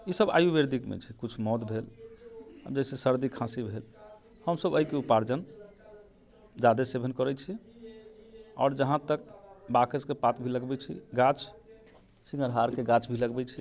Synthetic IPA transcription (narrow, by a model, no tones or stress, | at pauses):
isəba̰jubeɾd̪ikmḛt͡ʃʰikut͡ʃʰmɔt̪bʱel | ə̰d͡ʒɛsesəɾd̪ikʰãsibʱel | həmsəbəikeupaɾd͡ʒən | d͡ʒad̪esebʱənkəɾɛt͡ʃʰi | ɔ̰ːɾd͡ʒəɦãt̪ək̚bakəskepat̪bʱiləɡbɛt͡ʃʰḭɡãt͡ʃʰ | siŋɡəɾɦaɾkeɡãt͡ʃʰbʱiləɡbɛt͡ʃʰi